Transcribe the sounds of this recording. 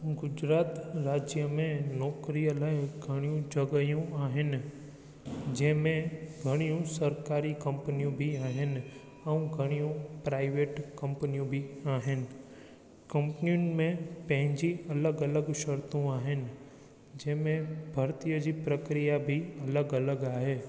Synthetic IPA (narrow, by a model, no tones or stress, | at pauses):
ɡʊd͡ʑɾaːt̪ɾaːd͡ʑjəmẽnɔːkɾijəlaːɪɡʱɐɽ̃ijũd͡ʑɐɡəjũaːɦɪnɪ̆ | d͡ʑɐ̃ɦɪ̃mẽɡʱɐɽ̃ijũsɐɾkaːɾikɐ̃mpənijũbʱiaːɦɪnɪ̆ | ɛ̃ũɡʱɐɽ̃ijũpɾaːɪʋeːʈkɐ̃mpənijũbʱiaːɦɪnɪ̆ | kɐ̃mpənijʊ̃nmẽpɐ̃ɦɪ̃ɲd͡ʒiɐləɡɐləɡʃɐɾt̪ũaːɦɪn | d͡ʒɪɦmẽbʱɐɾt̪ijəd͡ʒipɾəkɾijabʱiɐləɡɐləɡaːɦeː